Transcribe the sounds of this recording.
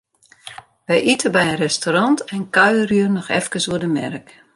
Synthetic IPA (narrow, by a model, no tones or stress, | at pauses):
ʋɛjʔitʰəbɛjərɛstoɾɑntɛnkœɥərjyərnɔxɛ̰fkəsuədəmɛ̰rk